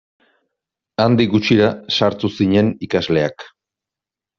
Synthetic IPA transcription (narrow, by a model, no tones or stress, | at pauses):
and̪iɡut͡ʃiɾasaɾt̪usiɲe̞nikazle̞ak